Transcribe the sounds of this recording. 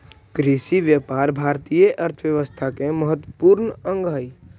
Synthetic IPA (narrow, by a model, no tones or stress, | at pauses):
kɾiʃiʋjəpaːɾbʱaːɾt̪ijəʔəɾt̪ʰəʋjəʋəst̪ʰakeməɦət̪wəpuːɾnə̃ŋɡɦəi